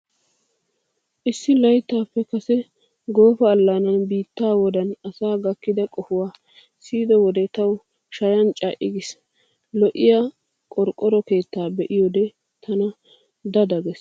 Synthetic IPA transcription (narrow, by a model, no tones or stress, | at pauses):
ʔɪsːɪlɐjt̪ːaːpːɛkɐsɛ | ɡo̞ːfɐːlːanɐnbiːt̪ːaːwɔd̪ɐnɐsaːɡɐkːɪd̪ɐkʼɔfʊwaː | siːd̪ɔwɔd̪ɛt̪ɐw | ʃɐjɐnt͡ʃʼaːʔɪɡɪs | lɔʔɪja | kʼɔɾkʼːɔɾɔke̞ːt̪ːaːbɛʔɪjɔd̪ɛ | t̪ʰɐnɐ | d̪ɐd̪ɐɡɛs